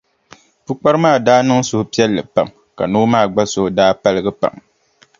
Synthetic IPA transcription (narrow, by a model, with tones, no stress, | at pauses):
pu˦k͡pa˦ɾɨ˦maː˦˨daː˦nɨ˦ŋsʊ˦hʊ˦pi˦ɛ˦lːɨ˨pa˨m | ka̰˨noː˦maː˦˨ɡ͡ba˦sʊ˦hdaː˦pa˦lɨ˦ɡɨ˦pa̰˨m